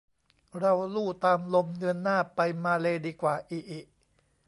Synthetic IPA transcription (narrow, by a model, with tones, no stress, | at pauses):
ɾa˧wluː˥˩t̪aː˧mlo˧mdɯ˧ənːaː˥˩pa˧jmaː˧leː˧diː˧kwaː˨˩ʔiː˨˩ʔi˨˩ʔ